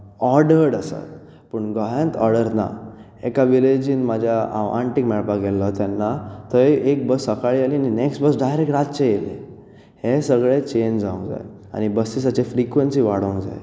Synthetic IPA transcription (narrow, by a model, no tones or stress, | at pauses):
ɔɾɖəɾɽasa̰t̪ | pəɳɡəjãnt̪ɔɾɽəɾna̰ | ɛ̰kaʋiled͡ʑiːnmad͡ʑʱjaa̰ɳʈikmɛɭpaɡɛlːɔt̪janːat̪əjek̚bəsəkaɭialianinɛksʈbəsɖajɾek̚ʈɾat̪t͡ɕejelḛ̃ | hesəɡɭet͡ɕend͡ʑd͡zaũŋɡd͡za̰j | a̰ɽ̃ibəsis̬at͡ɕefɾikʋensiːʋaɽə̃ŋɡd͡za̰j